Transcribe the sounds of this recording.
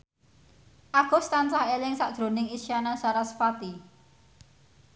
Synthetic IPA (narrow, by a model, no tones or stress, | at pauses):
ʔaɡ̥ɔ̤st̪ant͡ʃahelɪŋsaʔd̥ʒ̥ɾo̤nɪŋisianat͡ʃaɾasə̥fat̪i